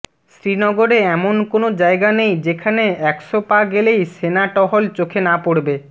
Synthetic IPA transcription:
sɾinɔɡoɾeɛmonkonod͡ʑaeɡanejd͡ʑekʰaneɛkʃopaɡelejʃenaʈɔɦolt͡ɕokʰenapoɽbe

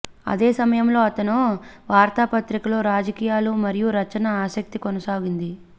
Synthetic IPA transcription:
ɐ̰d̪e̞ːsɐmɐjɐmlo̞ːɐt̪ɐnuʋaːɾt̪aːpɐt̪ɾikɐlo̞ːɾaːd͡ʒɐkiːjaːlumɐɾijuɾɐt͡ʃɐnɐaːsɐk̚t̪ikonɐsaːɡind̪i

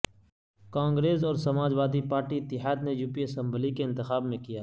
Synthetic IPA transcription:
kãːŋɡɾeːzɔːɾsɐmaːd͡ʒʋaːd̪ipaːɾʈiɪt̪ːɪɦaːd̪nejuːpiəsə̃mbəlikeɪ̃nt̪ɪxaːbmẽkijaː

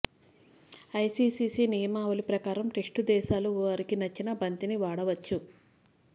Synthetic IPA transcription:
ɐjsiːsiːsiːnijɐmaːʋɐlipɾɐkaːɾɐmʈesʈud̪ɛːʃaːluʋɐɾikinɐt͡ʃːinɐbɐnt̪iniʋaːɽɐʋɐt͡ʃːu

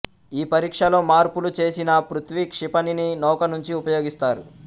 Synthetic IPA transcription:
iːpɐɾiːkʂɐlo̞ːmaːɾpulut͡ʃe̞ːsinɐpɾut̪ʋikʂipɐnininɐwkɐnuɲt͡ʃiupɐjo̞ːɡist̪aːɾu

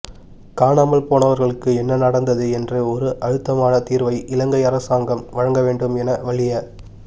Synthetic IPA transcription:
kaːnaːmɐlpoːɳɐʋɐɾɣɐɭɯkːɯɛnːɐnɐɽɐnd̪ɐðɯɛndrɯɔɾɯʔɐɻɯt̪ːɐmaːnɐt̪iːɾʋɐɪʔɪlɐŋɡɐɪɐɾɐsaːŋɡɐmʋɐɻɐŋɡɐʋeːɳɖɯmɛnɐʋɐɭɪjɐ

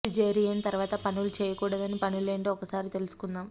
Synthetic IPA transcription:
id͡ʒeːɾijejnt̪ɐɾuʋaːt̪ɐpɐɳulut͡ʃeːjɐkuːɽɐd̪ɐnːipɐɳuleːɳɖiːɔkːɐsaːɾit̪e̞lusu̥kunːaːm

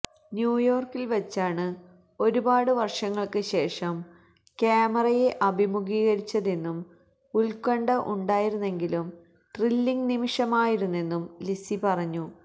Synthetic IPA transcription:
njuːjo̞ːrkilʋɐt͡ɕːaːɳɨ | o̞ɾubaːɽɨʋɐrʂɐŋːɐɭkɨɕe̞ːʂɐm | kaːmɐrɐje̞ʔɐbʱimuɡiːɣɐɾit͡ɕːɐðenːum | ulkɐɳɖɐʔuɳɖaːjiɾunːe̞ŋɡilum | ʈrilːiŋɡnimiʂɐmaːjiɾunːe̞nːumlisipɐrɐɲːu

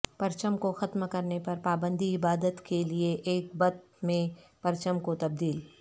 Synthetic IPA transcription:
pɐɾt͡ʃəmkoxɐt̪mkɐɾnepɐɾpaːbə̃nd̪iɪbaːd̪ət̪kelieʔeːk̚bɐt̪ | mẽpɐɾt͡ʃəmkot̪ɐb̚d̪iːl

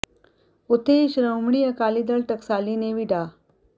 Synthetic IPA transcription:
ot̪ʰeɕɾəwmɳiəkalid̪əɭʈəksalineʋiɖa

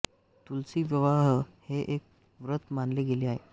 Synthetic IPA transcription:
t̪ult͡siːʋjəʋaɦheʔek̚ | ʋɾət̪manleɡeleaɦḛ

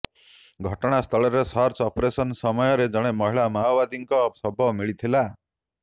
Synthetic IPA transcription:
ɡʱɔʈɔɽ̃ast̪ʰɔɭɔɾesɔɾt͡ʃɔpɾesɔnsɔmɔjɔɾed͡ʒɔɽ̃emɔɦiɭamawbad̪iŋkɔpsɔbʱɔmiɭit̪ʰila

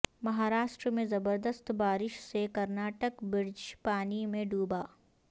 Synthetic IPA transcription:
mɐɦaːɾaːʃʈɾəmẽzɐbəɾd̪əst̪baːɾɪʃsekɐɾnaːʈəkbɪɾd͡ʒpaːnimẽɖuːbaː

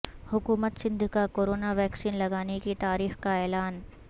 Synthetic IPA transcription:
hʊkuːmət̪sɪ̃nd̪ʱkakoːɾoːnaʋɛːksiːnlɐɡaːnekit̪aːɾiːxkaɛːlaːn

